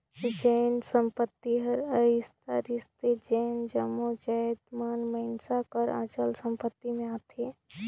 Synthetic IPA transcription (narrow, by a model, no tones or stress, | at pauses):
kid͡ʒɛːnsə̃mpət̪ːiɦəɾəɪst̪a̰ɾɪst̪ed͡ʒɛːnd͡ʒəmːod͡ʒɛd̪maːnməɪnsakəɾã̰ːt͡ʃəlsə̃mpət̪ːimẽaːt̪ʰeː